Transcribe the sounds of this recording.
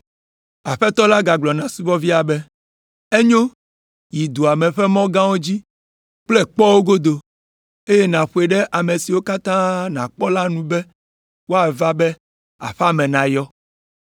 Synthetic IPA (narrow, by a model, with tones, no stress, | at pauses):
a˨ɸɛ˦t̪ɔ˦la˦ɡa˨ɡ͡blɔ˨nã˨su˦vɔ˦vi˦a˨bɛ˦ | e˦ɲõ˦ | ji˨d̪u˨a˨mɛ̃˨ɸɛ˦mɔ̃˦ɡã˦wo˦d͡ʑi˦ | k͡plɛ˦k͡pɔ˦wo˦ɡo˦d̪o˨ | e˦jɛ˦nã˨ɸu˨e˨ɖɛ˦ʔa˨me˨si˨wo˦ka˦t̪ã˦nã̰˨k͡pɔ˦la˦nũ˦bɛ˦ | wo˦a˨va˦bɛ˦ | a̰˨ɸa˦mɛ̃˨nã˨jɔ˦